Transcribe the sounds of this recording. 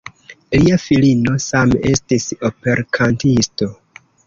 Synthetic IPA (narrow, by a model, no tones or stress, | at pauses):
liafilino̞same̞stiso̞pe̞ɾkʰantisto̞